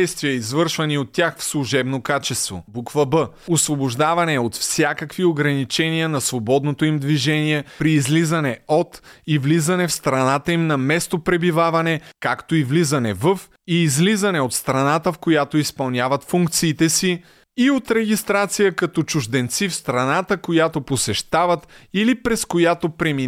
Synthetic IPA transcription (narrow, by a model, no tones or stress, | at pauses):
jst̪viəizvɤɾʃvɐniot̪ːjaxfslˠuʒɛbnokat͡ʃɛst̪vo̰bukvɐbə | osvoboʒd̪avɐnɛot̪fsʲjakəkvioɡɾɐnit͡ʃɛniənɐsvobɔd̪not̪oimd̪viʒɛniɛpɾiːzlizɐnɛot̪ivlizɐnɛfst̪ɾɐnat̪əimnɐmɛst̪opɾɛbivavɐnɛkakt̪oivlizɐnɛvəf | iːzlizɐnɛot̪st̪ɾɐnat̪əfkojat̪oispɐlˠnʲjavɐt̪fuŋk̚t̪siːt̪ɛsiː | ot̪ɾɛɡ̟ist̪ɾat̪sijəkɐt̪ɔt͡ʃʊʒd̪ɛnt̪sifst̪ɾɐnat̪əkojat̪oposɛʃt̪avɐt̪ilipɾɛskojat̪opɾɛmi